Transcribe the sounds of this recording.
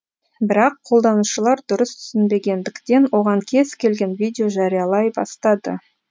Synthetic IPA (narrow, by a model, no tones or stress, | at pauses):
bɪɾɑqʰːolˠd̪ɑnuʃəlˠɑɾd̪ʊɾəst̪ʰʏ̥sɪnbe̞ɡʲe̞nd̪ɪkt̪e̞nwo̞ʁɑŋkʲʰe̞z̥kʲʰe̞lɡʲe̞nvidʲejo̞ʒɑɾijɑlˠɑjbɑ̰st̪ɑd̪ə̰